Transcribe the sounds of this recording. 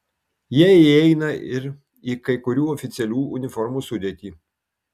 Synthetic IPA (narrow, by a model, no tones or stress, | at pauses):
jiɛɪɛɪnɐɪɾ | iːkɐɪkʊɾʲuːɔfʲɪt̪sʲɛlʲuːʊnʲɪfɔɾmuːsʊd̪ʲeːt̪ʲiː